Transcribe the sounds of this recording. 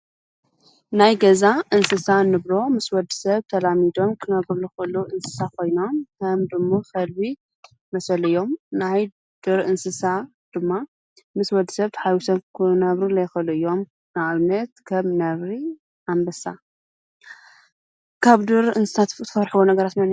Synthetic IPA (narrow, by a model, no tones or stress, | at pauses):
najɡɐzaʔɨnsɨsanɨβɾo̞mɨswɐd̪ɨsɐβt̪ʰɐlamid̪o̞mkʰɨnɐβɾulɨxɨluʔɨnsɨ̥sakʰo̞jno̞mkʰɐmd̪ɨmːokɐlbi | mɐsɐlɨjːo̞mnaj | d̪̥ɨɾʔɨnsɨsa | d̪̥ɨmːa | mɨswɐd̪isɐβt̪ħawisɐkʰɨnɐβɾulɐjxɨluɨjːo̞m | naʔaβnɐt̪kʰɐmnɐβɾi | ʔambɐsa̰ | kʰaβd̪ɨɾɨnsɨ̥sat̪t̪ʰɨfɐɾħɨwonɐɡɐɾat̪mɐn